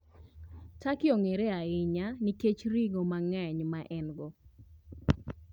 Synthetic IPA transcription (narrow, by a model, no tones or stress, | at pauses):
takɪɔŋeɾɛaɪɲaniket͡ʃɾiŋomaŋɛɲmaʔɛnɡɔ